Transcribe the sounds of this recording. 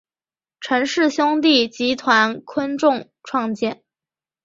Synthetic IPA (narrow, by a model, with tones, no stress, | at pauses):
ʈ͡ʂʰə˧˥nʂɻ̩˥˩ɕjʊ˥ŋt̪̬i˥˩t͡ɕi˧˥t̪ʰwa˧˥nkʰwə˥nʈ͡ʂʊ˥˧ŋ | ʈ͡ʂʰwɑ˥˧ŋt͡ɕjɛ˥˩n